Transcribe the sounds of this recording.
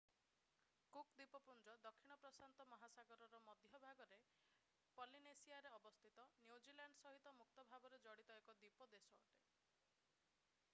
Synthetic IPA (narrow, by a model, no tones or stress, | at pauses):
kukd̪ipɔpund͡ʒɔd̪ɔkʰːiɽ̃ɔpɾɔsant̪ɔmɔɦasaɡɔɾɔɾɔmɔd̪ʱjɔbʱaɡɔɾe | pɔlinesiaɾeɔbɔst̪ʰit̪ɔnjud͡ʒilaɳɖsɔɦit̪ɔmuk̚t̪ɔbʱabɔɾed͡ʒɔɽit̪ɔekɔd̪ipɔd̪esɔːʈe